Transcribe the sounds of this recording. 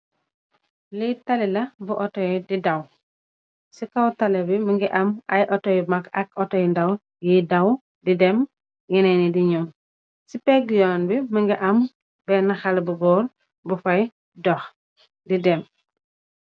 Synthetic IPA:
lijtɐlɛlɐbuʔɔtɔjdidɐw | sikɐwtɐlɛbiməŋɡɛʔɐmɐjʔɔtɔjmɐkɐkɔtɔjndɐw | jijdɐw | didɛm | jinɛnidiɲum | sipɛɡjɔnbiməŋɡɛʔɐm | bɛnɐxɐlbuɡɔːɾ | bufɐj | dɔx | didɛm

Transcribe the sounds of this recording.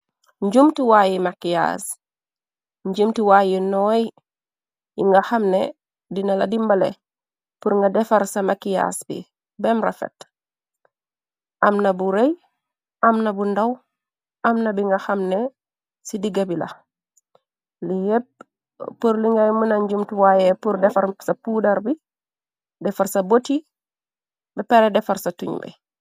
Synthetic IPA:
ɲɟumtiwajimakija̰s | ɲɟumtiwajinoːji | iŋɡaxamne | dinaladimbalḛ | puɾŋɡadefaɾsamakija̰sbḭ | bemɾa̰fḛt | ʔamnabuɾej | amnɐbundaw | ɐmnɐbiŋɡaxamne | sidiɡabilɐ̰ | lijɛp̚ | pːuɾliŋɡajmunaɲɟumtuwajɛpuɾdɛfɐɾsɐpuːdɐɾbi | dɛfaɾsɐboti | bɛpɛɾɛdɛfɐɾsɐtṵɲbɛ̰

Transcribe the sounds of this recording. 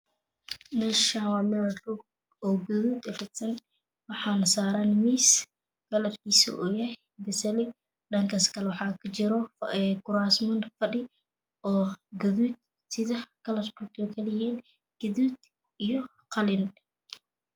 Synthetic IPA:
nɐʃawamɛlɐɬu | ɔːɡɐðuːd̪ɛfɐt̪sɐn | wɑħɑːnɐsaːɾaːnmiːs | kɐlɐrkiːsṵʔɔːjɛ | bɐsɐlɪ | ɗɐŋkʰɐskʰɐlwɑħɑːkʰɐt͡ʃɪɾɔɛkʊɾaːsmɐnfɐɗɪ | ɔːɡɐðuːd̪̚ | sɪðɐkʰɐlɐrkʰut̪ʰɔːkʰɐlɐjɛːn | ɡ̥ɐðuːd̪ | ijɔ | qɑlɪn

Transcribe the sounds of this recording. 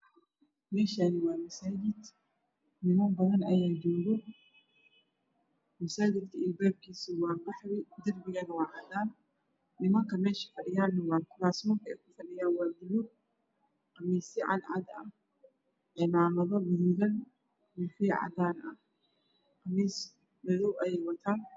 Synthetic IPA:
mɛːʃanɪwɑːmɐsaːd͡ʒɪd̪ | nɪmɐmbɐðɐnɐjaːd͡ʒɔːðɔ | mɐsaːd͡ʒɪd̪kʰɐɪlbaːb̚kʰiːsʊwɑːbɑħwɪd̪ɐrbɪɣɐnɐwɑːʕɑd̪aːnː | ɪmɐŋkɐmɛːʃɐ̥fɐɗɪjaːnːɐwaːkʊlaːsmɔːk̪ɐɛ̰kʊfɐɗɪjaːwaːd̪ɪmʊd | qɐmːiːsɪʕa̰nʕa̰d̪ɐ | ʔɪmaːmɐðɔbɪðɪɣɐn | mɪħiːʕa̰d̪aːnɐ | qɐmiːs | bɐðɔwʔɐjɛjwɐt̪ʰaːn

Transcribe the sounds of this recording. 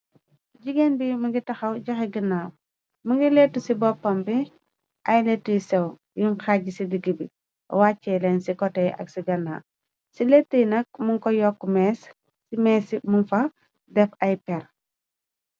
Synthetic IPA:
ɟiɡenbimɐɡitɐxɐwɟɐxɛɡinːa | muɡiletːusibɔpːɐmbi | ʔɐjletːujisɛw | juŋxaɟisidiɡibi | waːcːɛlɛnsikɔtɛʔɐ̰ksiɡɐnːa̰ː | siletːəjnɐk̚muŋkɔjɔkːumɛːsː | imɛːsimunfɐ | dɛfɐjpɛɾ

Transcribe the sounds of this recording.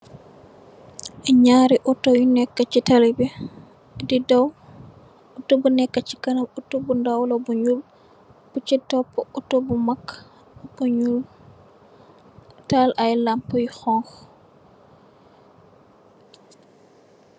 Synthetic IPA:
ɲaːɾiʔutojunɛkːat͡ʃitalibɛ | didaw | utobunɛkːat͡ʃi̥kanamutobundawlobuɲul | but͡ʃitɔpːɔutobumakː | buɲul | talʔajlampujxɔŋx

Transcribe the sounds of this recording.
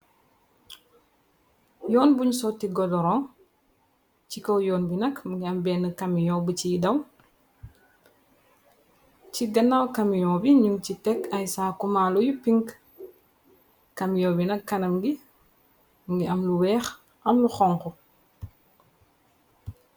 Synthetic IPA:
jɔːnbuɲsɔtːiɡɔdɔɾɔŋ | cikɔwjɔːnbinɐkmuŋɡiɐmbɛːnəkɐmijɔbəcidɐw | ciɡɐnːawkɐmijɔːbiɲuŋcitɛkɐjsaːkumaːlujupiŋk | kɐmjɔbinɐkːɐnɐmɡi | mŋɡiɐmluwɛːx | ʔɐmluxɔŋkɔ

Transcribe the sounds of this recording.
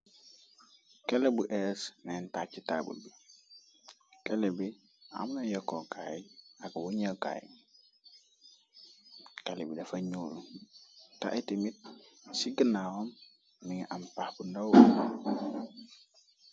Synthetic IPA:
kelebuʔesnentat͡ʃita̰bṵlbi | kelebi | a̰mnajokokajiaɡwuɲaka̰jḭ | kelebidɐfaɲulu | ta̰ʔitimit̚siɡənawomː | iŋiʔampahbundow

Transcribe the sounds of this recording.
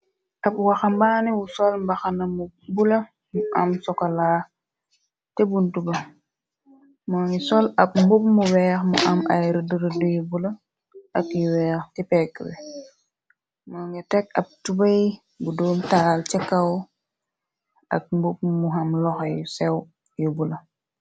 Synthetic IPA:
ʔɐpwaxɐmbaːniwusɔlmbɐxɐnɐmubulɐ | muʔɐmsɔkɐla | tebuntubɐ | mɔːŋisɔlɐp̚mbup̚muwɛːxmṵʔɐmɐ̰jɾədəɾdujbulɐ | ɐkjiwɛːxtipɛkːwɛ̰ | mɔːŋitɛk̚ɐp̚tubɐj | budɔːmtalt͡ʃɛkːaw | ɐ̰k̚mbup̚muɦɐmlɔxɐjsɛw | jubulɐ

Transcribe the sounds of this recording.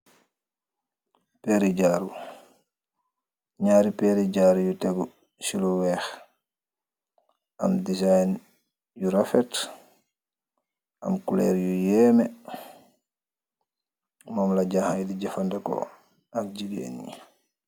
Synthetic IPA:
pɛɾid͡ʒaɾu | ɲaːɾipɛɾid͡ʒaːɾujutɛɡu | silɔwɛx | amdisajn | juɾafɛt | ʔamkulɛ̰ɾjujɛːmɛ | mɔːmlad͡ʒahajdiɟafandɛkɔ̰ | afd͡ʒiɡḛnḭ

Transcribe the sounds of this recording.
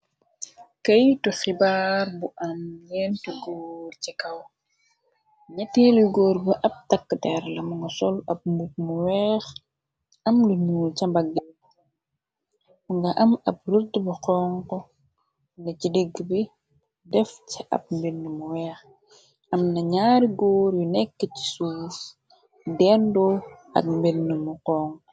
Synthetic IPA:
kɐjtɔxibaːrbuʔanjɛntiɡoːrcikɐw | ɲɛtːɛːlwiɡoːrbəʔɐp̚tɐkːdɛɾlɐmuŋɡɐsɔlʔɐp̚mbut̚muwɛːx | ɐmluɲuːlcɐmbaɡːɛ | muŋɡɐʔɐmɐp̚rətːbɐqɔːŋkɔ | nɐcidiɡbi | dɛfciʔɐ̰p̚mbinːimuwɛːx | ɐmnɐɲaːɾiɡoːɾjunɛkːəci̥suːs | dɛndɔ | ɐ̰k̚mbinːəmuqɔːŋ

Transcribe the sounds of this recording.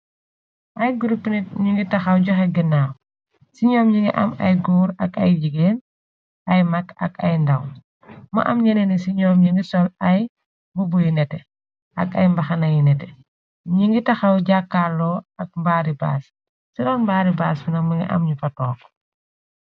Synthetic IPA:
ʔɐjɡuɾupːniɲiŋɡitɐxɐwɟɔxɛɡinaːw | siɲɔːmɲiŋɡḭʔɐ̰mɐ̰jɡuːɾɐkɐjd͡ʒiɡeːn | ʔɐjmɐkɐ̰kɐjndɐw | mɐ̰ʔɐmɲɛnɛnisiɲɔːmɲiŋɡisɔlɐj | bubujinɛtɛ | ʔɐkɐjmbɐxɐnɐjinɛtɛ | ɲiŋɡitɐxɐwɟakːalːɔːɐk̚mbaːɾiba̰ːs | sidɔnmbaːɾibaːsfinɐmɐŋɡḭʔɐ̰mɲufɐtɔːk

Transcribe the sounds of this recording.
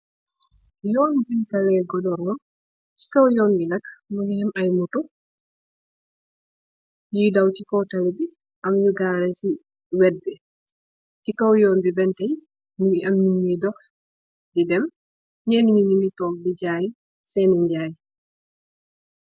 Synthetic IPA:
jɔːnbɛntɐlɛɡɔdɔɾnɔ | ci̥kɐwjɔːnbinɐkmunihɛmɐjmutu | jidawt͡ʃikɔwtɐlibi | ʔɐmjuɡaɾɛsi | wɛd̚bɛ | cikɐwjɔːnbibɛntɐj | niɐmniɲidɔx | didɛm | ɲɛniɲiɲinitɔːk̚diɟaːj | sɛniɲɟaːj

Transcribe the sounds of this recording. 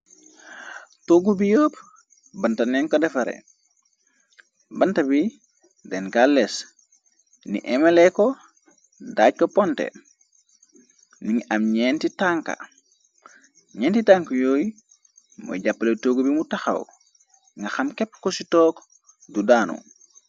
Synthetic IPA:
toːɡubijoːp | bɐntɐnɛŋkodɛfɐɾḛ | bɐntɐbi | dɛnkales | nḭʔɛmeleko | daːc̚kopɔntḛ | niŋɐmɲentitaŋka̰ | ɲɛːntitaŋkɐjoːji | mo̰ɟapːɐletoːɡubimutaxa̰w | ŋɡɐxɐmkɛpːkositɔːk | dudaːnṵ

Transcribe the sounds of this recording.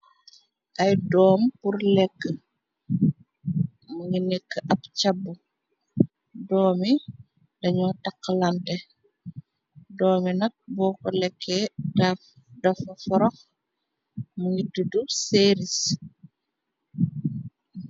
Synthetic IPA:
ʔɐjdɔːmpuɾlɛkːə | muŋinikːəʔɐpcabːu | dɔːmi | dɐɲɔtakːəlantɛ | dɔːminɐk̚bɔːkɔlɛkʰːɛdaf | dɐfɐfɔɾɔk | muŋiduduseːɾis

